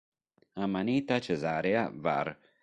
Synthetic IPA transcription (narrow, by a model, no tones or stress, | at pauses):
amanit̪at͡ʃezaɾeava̰ɾ